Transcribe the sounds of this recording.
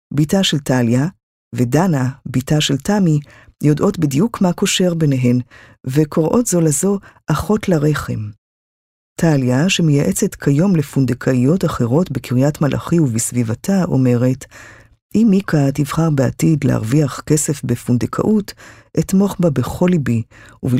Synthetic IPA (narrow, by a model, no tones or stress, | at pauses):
bitaʃe̞ltalja | ve̞danabitaʃe̞ltami | jo̞dʔo̞tbidijukmako̞ʃe̞ʁbe̞neɦe̞mve̞kʰo̞ʁʔo̞tzo̞lazo̞ʔaχo̞tlaʁe̞χe̞m | tʰaljaʃe̞mejaʔet͡se̞tkʰajo̞mle̞fundekʰaijo̞taχe̞ʁo̞tbekʰiʁijatmalʔa̰χiuvisvivatʰaʔo̞̰me̞ʁe̞t | ʔimikʰativχaʁbea̰tidlḛha̰ʁviaχke̞se̞fbefundekʰa̰ʔut | ʔetmo̞χbabe̞χo̞libiuv